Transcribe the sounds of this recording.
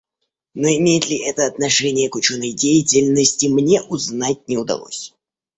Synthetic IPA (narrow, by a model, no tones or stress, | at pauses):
noɪmʲejɪt̪lʲɪʔɛt̪əɐt̪nɐʂɛnʲɪjəkʊt͡ɕo̞nːəjdʲejɪtʲɪlʲnəsʲtʲɪmnʲe̞ʔʊznatʲnʲɪʊd̪ɐ̰lˠo̞̰sʲ